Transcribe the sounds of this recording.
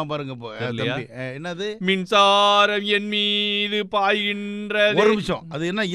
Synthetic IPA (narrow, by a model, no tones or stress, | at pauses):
pɐːɾɯŋɡɐpːoːlːjaːiɛnːɐɐðɯmɪnsaːɾɐmɛnmiːðɯpaːjɣɪndrɐɔɾɯmɪt͡ʃːõ̰ːɐðɯɛnːaɪ